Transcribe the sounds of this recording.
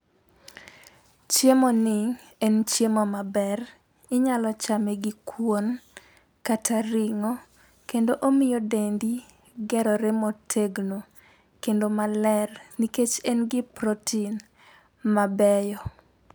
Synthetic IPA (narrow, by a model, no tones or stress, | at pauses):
t͡ʃjemonɪŋ | ɛnt͡ʃjemɔmabɛr | ɪɲalɔt͡ʃamɛɡikwon | katʰaɾiŋɔ | kendoʔomɪjodendi | ɡɛɾɔɾemotʰeɡno | kendomalɛrniket͡ʃɛnɡɪpɾotʰin | mabɛjɔ